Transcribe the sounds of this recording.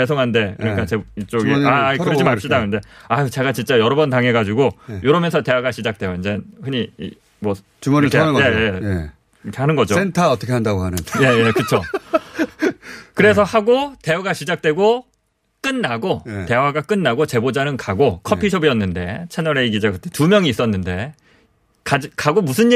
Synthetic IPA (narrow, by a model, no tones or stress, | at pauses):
es̬ʰoŋɦande̞kɯɲik͈at͡ɕeit͡ɕ͈oɡiaikɯɭd͡ʑimaɭpɕ͈idakɯnde̞ait͡ɕe̞ɡat͡ɕint͡ɕ͈ajʌɾʌbʌntaŋɦe̞ɡad͡ʑiɡojoɾʌmjʌnsʰʌte̞waɡaɕʰid͡ʑak̚t͈we̞joind͡ʑenhɯɲḭ | mwʌ | t͡ɕuee | ɯɾkʰehanɯnɡʌd͡ʑoentʰaʌtʰʌkʰeandaɡoɦanɯnje̞jekɯt͡ɕʰo | kɯɾe̞s̬ʰʌhaɡote̞uɡaɕʰid͡ʑak̚t͈we̞ɡo | k͈ɯnːaɡote̞waɡak͈ɯnːaɡot͡ɕe̞bod͡ʑanɯnkaɡokʰʌpʰiɕʰʌbiʌnːɯnde̞t͡ɕʰenʌɾeiɡid͡ʑakɯtʰetumjʌŋiːs͈ʌnːɯnde̞ | kad͡ʑkaɡomusʰɯni